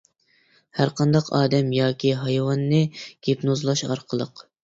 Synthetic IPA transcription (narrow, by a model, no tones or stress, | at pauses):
hæɾqʰɑnd̪ɑqʰɑːd̪ɛmjɑːkʲiɦɑjwɑnːɨɡ̥ʲipnozlˠɑʃɑ̰ɾqʰəlˠəq